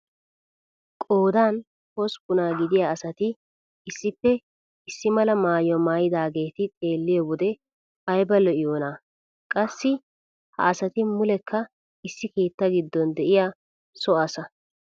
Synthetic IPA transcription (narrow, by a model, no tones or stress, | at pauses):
kʼo̞ːd̪aːn | hɔspʊnaːɡɪd̪ɪjaːɐsɐt̪ɪ | ɪsːɪpːɛ | ɪsːɪmɐlɐmaːjɔmaːjɪd̪aːɡe̞ːt̪ɪt̪ʼe̞ːlːɪjɔwɔd̪ɛ | ɐjbɐlɔʔɪjoːnaː | kʼɐsːɪ | hɐ̰ɐsɐt̪ɪmʊlɛkʰːɐ | ɪsːɪke̞ːt̪ːɐɡɪd̪ːɔnd̪ɛʔɪjaː | sɔɐsɐ